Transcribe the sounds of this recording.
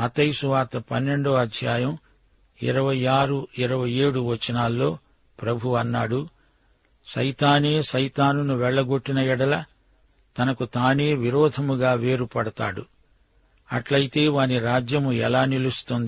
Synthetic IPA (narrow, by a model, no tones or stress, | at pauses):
mɐt̪ɐjsuʋaːt̪ɐpɐnːe̞ɳɖoːɐd̪ʱjaːjɐm | ḭɾɐʋɐjaːɾuiɾɐʋɐje̞ːɽuʋɐt͡ʃɐnaːlːo̞ː | pɾɐbʱuɐnːaːɽu | ʃɐjt̪aːne̞ːʃɐjt̪aːnunuʋɛɭːɐɡoʈːinɐjɛɽɐlɐ | t̪ɐnɐkut̪aːne̞ːʋiɾɔːd̪ʱɐmuɡaːʋe̞ːɾupɐɽɐt̪a̰ːɽu | ɐʈlɐjit̪e̞ːʋaːniɾaːd͡ʒjɐmuɛ̰laːnilust̪und̪i